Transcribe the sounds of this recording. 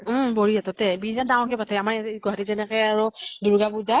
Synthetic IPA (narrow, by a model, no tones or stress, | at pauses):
bɔɹiatɔtɛbinadãw̃kɛpatʰaamaɹɡɔɦatizɛnɛkɛaɹɔduɹɡabuza